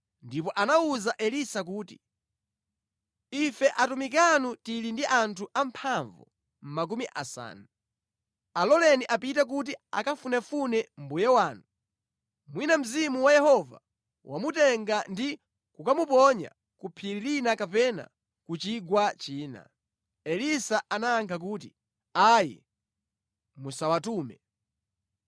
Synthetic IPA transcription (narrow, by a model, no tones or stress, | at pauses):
ndipɔʔanauzaʔɛlisak̬uːti | ifɛʔatumik̬anutilindiʔantʰuʔampʰaɱvṵ | m̩mak̬umiʔa̰sa̰ːnu | alɔlɛniʔapitak̬ut̬ia̰kafunɛfunɛm̩bujɛwaːnu | mwinam̩zimuwajɛhɔva̰ | wʔamutɛŋɡandi | kukamupɔɲa̰ | kupʰiɾiɾinakapɛna̰ | kut͡ʃiɡwat͡ʃiːna̰ | ɛlisaʔanaːŋkʰak̬uːti | ajɛ̰ | musawatuːmɛ̰